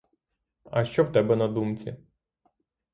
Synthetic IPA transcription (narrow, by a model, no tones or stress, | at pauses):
ɐ̰ʃt͡ʃɔwt̪ɛbɛnɐd̪umt͡sʲḭ